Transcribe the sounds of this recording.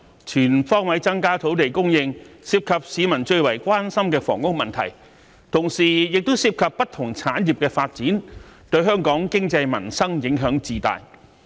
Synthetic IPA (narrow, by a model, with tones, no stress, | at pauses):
t͡ʃʰyː˨˩nfɔː˥ŋwɐ˨˥jt͡sɐ˥ŋkaː˥t̪ʰo˨˥wt̪e˨jkʊ˥ŋjɪ˧ŋsiː˧p̚kʰɐ˨p̚siː˨˧mɐ˨˩nt͡ʃɵ˧ɥwɐ˨˩jkʷaː˥nsɐ˥mkɛː˧fɔ̰ː˨˩ŋkʊ˥k̚mɐ˨nt̪ʰɐ̰˨˩j | t̪ʰʊ˨˩ŋsiː˨˩jɪ˨k̚t̪ʊ˥wsiː˧p̚kʰɐ˨pːɐ˥t̚t̪ʰʊ˨˩ŋt͡sʰaː˨˥njiː˨˩p̚kɛː˧faː˧t̚t͡siː˨˥nt̪ɵ˧ɥɦœː˥ŋkɔː˨˥ŋkɪ˥ŋt͡sɐ˧jmɐ̰˨˩nsɐ˥ŋjɪ˨˥ŋɦœː˨˥ŋt͡siː˧t̪a̰ː˨j